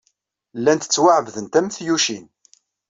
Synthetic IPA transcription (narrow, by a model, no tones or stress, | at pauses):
lːænt̪ə̥t͡sːwaʕvðənt̪æmθjuʃin